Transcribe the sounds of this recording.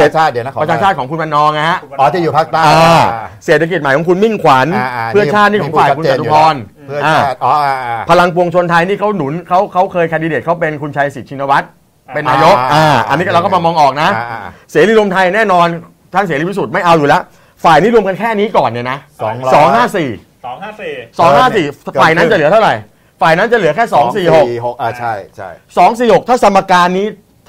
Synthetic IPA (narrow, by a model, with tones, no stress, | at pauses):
t͡ɕʰaː˥˩dpɾt͡ɕʰaː˧t͡ɕʰaː˥˩t̪̚kʰɔ˩˦ku˧nba˧nːɔː˧ŋ˧ɦa˦˥ʔɔ˧˩t͡ɕːjuː˨˩pʰa˦˥k̚a˥˧aː˧seː˨˩t̪ʰːa˧ki˨˩t̪̚ma˨˦jkʰːɔ˩˦kʰu˧nmi˥˩ŋkʰwa˩˦npʰɯ˥˩ɐ˩t͡ɕʰaː˥˩niː˥˩ɔ˧˩˦faː˧˨˩jku˧nsa˨˩t̪u˧pʰɔː˧n˥˩ | ʔaː˧˩˧pʰa˧la˧ŋpu˧əŋt͡ɕʰo˧nt̪ʰa˧jniː˥˩kʰa˦˥wnu˩˦nkʰa˦˥wkʰa˦˥wkʰɤː˧jkʰa˧di˧deː˨˩t̪̚kʰwpe˧nkʰu˧nt͡ɕʰa˧jsi˨˩t̪̚t͡ɕʰi˧na˧wa˦˥t̪̚ | pe˧nːaː˧jo˦˥ʔaː˧˩ʔa̰˧niː˦˥˧ɾa˧wka˥˩ma˧mɔː˧ŋʔɔː˨˩k̚na˦˥ʔseː˩˦liː˧ɾu˧əmt̪ʰa˧jnɛː˥˩nɔː˧n | t͡ɕ̪ʰaː˥˩seː˨˦liː˧pʰi˦˥su˨˩ma˥˩jʔa˧wjuː˨˩lɛ˦˥ʔ | faː˨˩jniː˥ɾu˧əmk̬a˧nkʰɛː˥˩niː˦˥kɔː˨˩nːi˧˩ɐna˦˥˨ | sɔː˩˦ŋɦaː˥˩siː˨˩˨ | sɔː˩˦ŋɦaː˥˩siː˨˩faː˨˩jna˦˥t͡ɕa˨˩lɯ˩˦t̪ʰa˥˩ɾa˨˩j | faː˨˩jna˦˥nt͡ɕa˨˩lɯ˨˩˦əkʰɛː˥˩sɔː˨˩˦ŋsiː˨˩ho˨˩kjsɔː˩˦ŋs̬iː˨˩ho˨˩k̚t̪ʰaː˥˩t̪ʰa˧mːaː˧kaː˧nːiː˦˥